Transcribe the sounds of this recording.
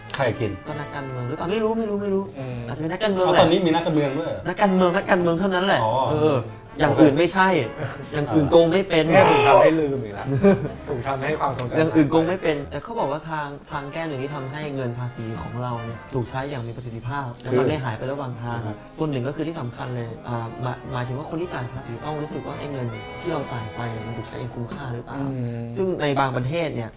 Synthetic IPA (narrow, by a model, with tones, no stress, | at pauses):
kʰa˧˩ki˧nwaː˥˩na˦˥kːaː˧nmɯ˧əŋɾɯː˨˦˥paː˨˩ma˥˩jɾuː˦˥ma˥˩jɾuː˦˥ma˥˩jɾuː˦˥ʔa˨˩tt͡ɕːa˨˧pe˧n˦˥kːaː˧nmɯ˧˦ŋlɛ˨ɔː˧niː˦˥miː˧na˦˥kːa˧nmɯ˧əŋdu˥˩əjna˦˥kːaː˧nmɯ˧əŋna˦˥kːaː˧nmɯ˧ŋt̪ʰa˥˩wna˦˥nlɛː˨˩˧ʔɤː˧ | jaː˨˩ŋʔɯː˨˩nma˥˩jt͡ɕʰa˥˩j | jaː˨˩ŋʔɯː˨˩nko˧ŋma˥˩jpe˧nʰ˥˩uː˨˩a˧˥˩da˥˩lɯː˧m˨˩˧t̪ʰuː˨˩k̚t̪ʰa˧mha˥˩jkʰwaː˧mso˨˧˦ŋjaː˨˩ŋʔɯː˨˩nko˧ŋma˥˩jpe˧nt̪ɛː˨˩kʰa˦˥wbɔː˨˩k̚waː˥˩t̪ʰaː˧ŋt̪ʰaː˧ŋkɛː˥˩nɯ˨˩ŋt̪ʰiː˥˩t̪ʰa˧mɦa˥˩jŋɤ˧npʰaː˧siː˩˦kʰɔ̰ː˩˦ŋɾa˧wni˧˩ɐt̪ʰuː˨˩k̚t͡ɕʰa˧˦˥jːaː˨˩ŋmiː˧pa˧si˨˩t̪̚ʰːi˧˥pʰaː˥˩p̚lɛ˦˥wma˧la˥˩ɦaː˩˦jpa˧jɾa˧waː˨˩ŋt̪ʰaː˧ŋ | su˨˩ənːɯ˨˩ŋkɔː˥˩ɯː˧t̪ʰiː˥˩sa˩˦mkʰa˧nlɤː˧jʔaː˨˩ma˨˦maː˨˦t̪ʰɯ˩˦wa˥˩o˧nt̪ʰiː˥˩t͡ɕaː˨˩jpʰaː˧siː˨˩˦t̪ɔ˥˩ŋɾuː˦˥sɯ˨˩k̚waː˥˩ʔa˥˩jŋɤ˧n˩t̪ʰiː˥˩ɾa˧wt͡ɕaː˨˩jpa˧jni˨˩ma˧nt̪uː˨˩k̚t͡ɕʰjaː˨˩ŋkʰu˧mkʰaː˥˩ɾɯː˦˥pla˨˩wsɯ˥˩ŋna˧jbaː˧ŋpɾa˧t̪ʰeː˥˩t̪̚ni˥˩ɐ